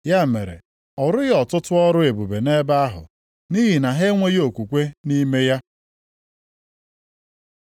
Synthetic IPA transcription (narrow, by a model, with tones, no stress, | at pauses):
ja˦mḛ˨ɾḛ˨ | ɔ˨ɾʊ˦ɣɔ˨tʊ˦tʊ˦ɔ˦ɾʊ˦e˨bu˨be˨ne˦ba˦a˦ɦʊ̰˨ | ni˦ɦi˨na˨ɦe˦ŋʷe˦ɣo˨kʷu˨kʷe˦ni˦me˦ja˦